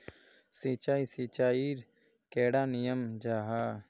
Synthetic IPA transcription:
sit͡ʃaːisiːt͡ʃaːiːɾ | keːɽaːnijəmd͡ʒaːɦaː

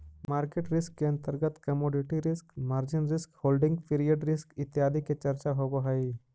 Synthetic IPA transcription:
maːɾkeʈɾɪskːeɐ̃nt̪əɾɡət̪kɐmoːɖɪʈiɾɪskmaːɾd͡ʒɪnɾɪskhoːlɖɪ̃ŋɡpʰiɾijəɖɾɪskɪt̪jaːd̪ʱiket͡ʃɐɾt͡ʃaɦoboɦai

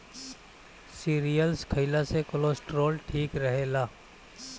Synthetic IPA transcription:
siːɾijəlskʰəɪlasekʊloːsʈɾoːlʈʰiːkɾɐɦelaː

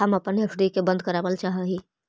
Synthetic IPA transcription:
ɦəmɐpənepʰɖikebə̃nd̪̚kəɾaːbəlt͡ʃaːɦəɦi

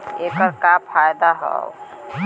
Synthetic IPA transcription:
eːkəɾkapʰaːjd̪aɦɔ̰ʊ

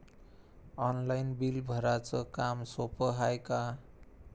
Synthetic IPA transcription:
ʌnlajnbilbʱʌɾat͡sʌkamsopʌɦajka

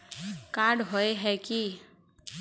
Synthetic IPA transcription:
kaɖɦoeɦɛki

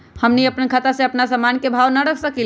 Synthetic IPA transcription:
həmniəpnkʰət̪asẽəpnasəmankebʱawnəɽəkʰsəkil

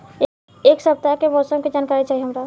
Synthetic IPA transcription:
eːksɐb̚t̪akebɔːsə̃ked͡ʒaːnkaːɾit͡ʃaːɦieɦɐmɾaː

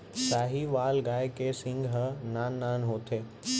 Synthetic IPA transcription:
saːɦiʋaːlɡaːjkeːsɪ̃ŋɡɦɐnaːnːaːnɦoːt̪ʰeː

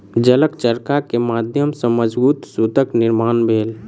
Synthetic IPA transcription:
d͡ʒələkt͡ʃəɾkakemaːd̪ʱjəmsəməd͡ʒbuːt̪suːt̪əknɪɾmaːnbʱeːl

